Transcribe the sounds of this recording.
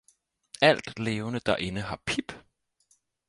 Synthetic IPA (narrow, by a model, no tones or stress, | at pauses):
æl̰d̥le̝ːʊnəd̥ɑ̈ʔe̝nəɦɑ̈pʰib̥